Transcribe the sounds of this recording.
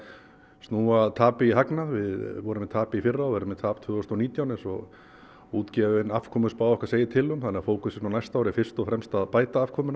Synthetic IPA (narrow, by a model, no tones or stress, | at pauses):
st̪nuːaðt̪ʰaːpɪiɦaknaðvɪðvɔɾʏmɛt̪ʰaːpɪifɪrːaɔɛɾʏmɛt̪ʰaːpt̪ʰvʏːɔst̪ɔniːt̪jawnɛnsɔ | uːt̪cɛvnafkʰɔːmʏspaːwɛhkḁseːjɪt̪ʰɪlhʏmθanɪːafoːwkʏsɛsnawnajst̪aːwɾɪfɪr̥st̪ɔɣfɾɛmst̪aðpaːjt̪aafkʰɔːmʏna